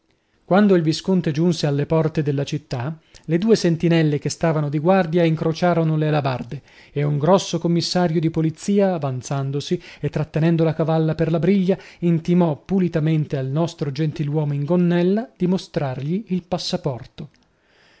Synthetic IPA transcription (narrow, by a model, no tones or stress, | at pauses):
kwand̪oilviskont̪ed͡ʒunsealːepɔrt̪ed̪elːat͡ʃit̪ːaled̪uːesent̪inɛlːekest̪aːvanod̪iɡward̪jaiŋkɾot͡ʃaːɾonolelabard̪e | euŋɡɾɔsːokomːisːaːɾjod̪ipolit̪sːiːaːvant̪sand̪osiet̪ːɾat̪ːenɛnd̪olakavalːaperlabɾiʎːaint̪imɔpːulit̪ament̪ealnɔst̪ɾod͡ʒent̪ilwɔːmoiŋɡonːɛlːad̪̥imost̪ɾarʎiːlpasːapɔrt̪o